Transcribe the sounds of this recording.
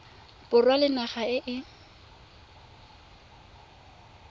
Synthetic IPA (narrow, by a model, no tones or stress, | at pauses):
pʊrwalɪnaχaɪʔɪ